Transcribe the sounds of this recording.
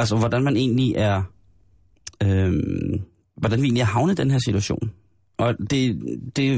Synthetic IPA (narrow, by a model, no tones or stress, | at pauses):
ælsɒʋɒd̥ænmæne̝̰ːnliʔæɐ | øm | ʋɒd̥ænʋe̝̰ːnliæɐhɑ̈ʊnəd̥enɦeɐ̰sit͡sʰuæɕo̰ːn | ʔɒ̽d̥e̝d̥e̝